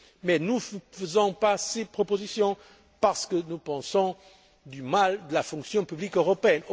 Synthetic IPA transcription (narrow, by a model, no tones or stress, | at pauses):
mɛnuffəzɔ̃pasepχɔpozisjɔ̃ | paʁsə̥kənupɑ̃sɔ̃ | d̪ymald̪əlafɔ̃ŋksjɔ̃pyblikøʁɔpeɛn